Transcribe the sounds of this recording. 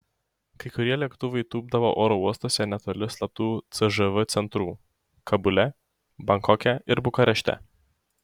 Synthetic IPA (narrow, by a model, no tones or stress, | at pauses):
kɐɪkʊɾʲiɛlʲɛkt̪ʊʋɐjɪt̪uːb̚d̪ɐʋoʔoːɾɔuɔst̪oːsʲɛnʲɛt̪oːlʲɪslˠɐp̚t̪uːt̪sɨʒɨʋɨt̪sʲɛnt̪ɾuː | kʰɐbʊlʲɛ | bɐŋkɔkʲɛɪɾbʊkɐɾʲɛʃʲt̪ʲɛ̰